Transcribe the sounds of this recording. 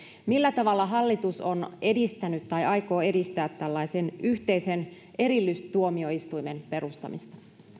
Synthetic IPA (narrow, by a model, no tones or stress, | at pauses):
milːæt̪ɑʋɑlːɑɦɑlːit̪uso̞ne̞dist̪ænyt̪t̪ːɑjɑjko̞ːe̞dist̪æːt̪t̪ælːɑise̞nyht̪e̞isen | e̞ɾilːyst̪uomio̞ist̪ujme̞npe̞ɾust̪ɑ̰mḭst̪ɑ̥